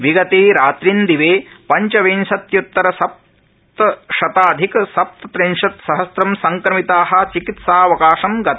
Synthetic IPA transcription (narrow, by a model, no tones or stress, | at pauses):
ʋiɡɐt̪iːɾaːt̪ɾind̪iʋeːpɐɲt͡ʃɐʋeːnʃɐt̪jut̪ːɐɾɐsɐp̚ | t̪ɐʃɐt̪aːd̪ʱikɐsɐp̚t̪ɐt̪ɾenʃɐt̪sɐɦɐsɾɐmsɐŋkɾɐmit̪aːɦɐ̆t͡ʃikit̪saːɐʋɐkaːʃɐmɡɐt̪